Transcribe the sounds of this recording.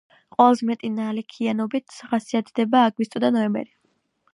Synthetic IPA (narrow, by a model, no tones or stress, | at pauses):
qʼɔlˠzmɛt̪ʼinalɛkʰianɔbit̪ʰχasiat̪ʰd̪ɛbaːɡwist̪ʼɔd̪anɔɛmbɛ̰ɾi